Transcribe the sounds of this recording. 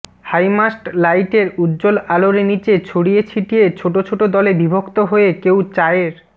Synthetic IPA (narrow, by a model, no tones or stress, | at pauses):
hajmasʈlajʈeɾud̪d͡ʑolaloɾenit͡ɕet͡ɕʰoɽijet͡ɕʰiʈiet͡ɕʰoʈot͡ɕʰoʈod̪ɔlebibʱokt̪oɦoekewt͡ɕaeɾ